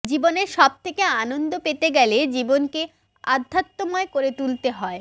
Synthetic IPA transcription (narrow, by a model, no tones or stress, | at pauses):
d͡ʑiboneɾʃɔb̚t̪ʰekeanond̪opet̪eɡɛled͡ʑibonke | a̰d̪ʱːat̪ːomɔekoɾet̪ult̪eɦɔe